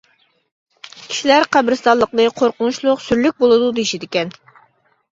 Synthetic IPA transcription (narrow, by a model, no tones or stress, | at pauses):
kʲʰi̥ʃilæɾqʰæbɾɪst̪ɑlˠəqlˠɨqʰoɾqʊnuʃlˠʊqsyɾlyk̚ʲbolˠɨd̪ud̪ɨiʃid̪ɪkʲɛn